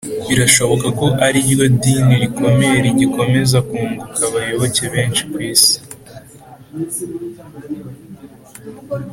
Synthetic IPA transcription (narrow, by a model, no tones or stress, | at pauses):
βiɾaʃo̞βo̞kako̞ʔaɾiβjo̞diːniɾikʰo̞me̞ɾiɟiko̞me̞zakuːŋɡukʰaβajo̞βo̞ce̞βe̞ːnt͡ʃi̥kwiːsi̥